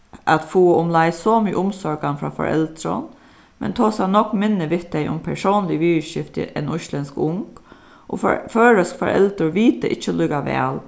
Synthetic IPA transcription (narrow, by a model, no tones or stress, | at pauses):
ʔat̪fuːəʊmlaɪsɔmyːʔʊmsɔɹɡanfɾɑ̰ːfɔ̰ɾʔɛ̰lt̪ɾə̰n | mɛ̰nt̪ʰoːsanɔkmɪnːəʋɪht̪ɛɪʔʊ̰mpʰæɹʂoːnlɪʋiːʃɪft̪ə̰ʔɛnɔʃlɛnskʊŋk | ʔɔ̰fføːɹəskfɔ̰ɾʔɛ̰lt̪ɾəɹʋiːt̪ə̰ʔɪt͡ʃːəlʏːkaʋɛ̰ːl